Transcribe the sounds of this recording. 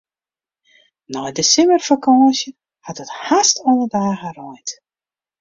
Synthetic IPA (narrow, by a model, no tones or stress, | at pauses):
nɔjdəsɪmərfakɔːsjə | hatəthastʰɔnədaːɣərɔjt